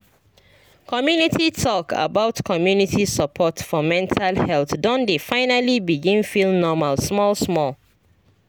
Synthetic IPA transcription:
kʰɔmjunitʰitʰɔka̰baʊtkʰɔmjunitʰisəpʰɔtfɔmɛ̃ntʰalhɛlθdɔ̃ndefãɪnalibiɡĩnfilˠnɔmalsmɔlsmɔl

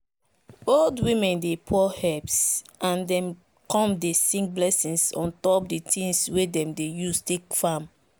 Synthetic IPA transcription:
oldwĩmɛ̃ndepʰɔhɛpsãndɛ̃m | kɔ̃mdesĩŋk̚blɛsĩnsɔ̃ntɔp̚ditʰĩnswedɛ̃mdejustekfam

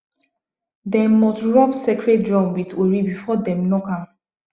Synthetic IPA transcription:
dɛmmɔstɹɔpsekɹet̚dɹɔ̃mwitweɹibifɔdɛ̃mnɔkãm

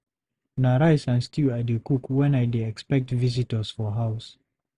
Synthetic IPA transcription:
naɾajsãnstʰiadukukwɛ̃najdeɛkspɛk̚tvizitə˞z̥fɔɦaʊs

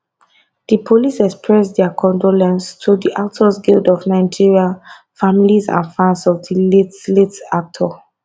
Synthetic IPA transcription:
d̥ipʰolisɛkspʰɹɛsdɛakʰɔ̃ndolɛ̃nstʰudiʔak̚tʰɔsɡildɔvnãɪd͡ʒiɹial | familizã̰nfɹãnsɔvdiletletak̚tʰɔ

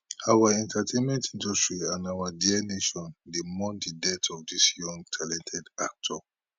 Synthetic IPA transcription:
awaɛ̃ntatʰẽnmɛ̃ntĩndɔstɹiãnawadiɛneʃɔ̃ndemɔ̃ndidɛtʰɔfdisjɔ̃ŋɡtʰalɛ̃ntʰɛdak̚tʰɔ

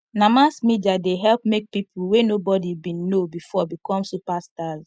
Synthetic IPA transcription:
namasmidiadeɦɛlpmek̚pipʰuwenobɔdibĩnːobifɔbikɔ̃msupastaz

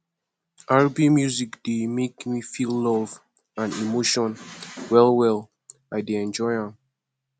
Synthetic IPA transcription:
ʔaɹbimjuzikd̥emekmifilːɔv | ãnimoʃɔ̃nwɛlˠwɛlˠ | aɪdeɛ̃nd͡ʒɔɪãm

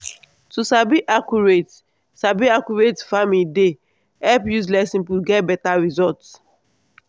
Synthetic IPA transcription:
tusabiʔakuɹet | sabiakuɹetfamilde | ɛpjus̬lɛsĩnpwiɡɛt̚bɛtaɹizɔlts

